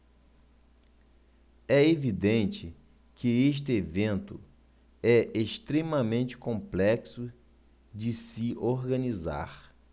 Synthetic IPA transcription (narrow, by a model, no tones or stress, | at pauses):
ɛevid̪ẽnt͡ʃɪ | kɪeʃ̬t̪ɪevẽnt̪ʊ̰ | ɛʔeʃt̪ɾemɐmẽnt͡ʃɪ̥kõmplɛksʊ | d͡ʒɪsɪʔoɾɡɐ̃niza̰ɾ